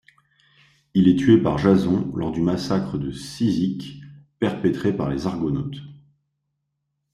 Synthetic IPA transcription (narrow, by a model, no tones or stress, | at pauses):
ilɛt̪ɥepaʁʒazɔ̃lʔɔ̰ʁd̪ymasakχəd̪əsizikpɛʁpɛt̪χepaʁlezaʁɡɔnɔt̪